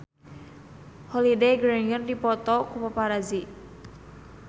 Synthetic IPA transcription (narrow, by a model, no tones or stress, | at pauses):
hɔlidejɡɾenəndipɔt̪ɔkupapaɾazi